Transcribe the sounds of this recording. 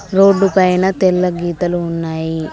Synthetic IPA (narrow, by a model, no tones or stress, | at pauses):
ɾoːɖːupɐjnɐt̪ɛlːɐɡiːt̪ɐluːnːaːji